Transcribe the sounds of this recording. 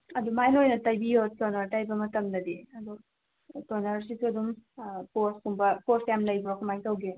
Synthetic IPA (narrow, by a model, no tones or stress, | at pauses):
ɐdumajnojnɐtajbijotɔnɐɾtajbɐmɐtɐmdɐdiɐdu | tɔnaɾsitʰuɐdumposkumbɐposjamlɐjbɾokʰamajtɐwɡe